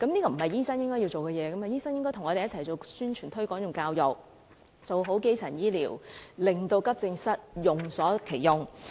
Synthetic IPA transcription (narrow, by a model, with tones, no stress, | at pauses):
kɐ˨˥mniː˥kɔː˧m̩˨˩hɐ˨jiː˥sɐ˥ŋjɪ˥ŋkɔː˥ji˧wt͡so˨wkɛː˧jɛː˨˧kɐ˨˦ma˨˩jiː˥sɐ˥ŋjɪ˥ŋkɔː˥jt̪ʰʊ˨˩ŋɔː˨˧e˨jɐ˥t͡sʰɐ˨˩jt͡so˨wsyː˥nt͡ʃʰyː˨˩nt̪ʰɵ˥kɔː˨˥ŋjʊ˨ŋkaː˧wjʊ˨k̚ | t͡so˨wɦo˨˥wke˥jt͡sʰɐ˨˩njiː˥lḭː˨˩wlɪ˨˩ŋt̪o˧wkɐ˥p̚t͡sɪ˧ŋsɐ˥t̚jʊ˨ŋsɔː˨˥kʰe˨˩jjʊ˨˩ŋ